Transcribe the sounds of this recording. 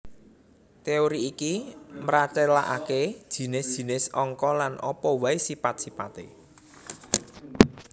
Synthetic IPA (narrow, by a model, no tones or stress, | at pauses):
t̪eoɾiːkimɾat͡ʃɛlaʔaked̥ʒ̥i̤nɪsd̥ʒ̥i̤nɪsɔŋkɔlanʔɔpɔwaesipat̪̚sipat̪ḛ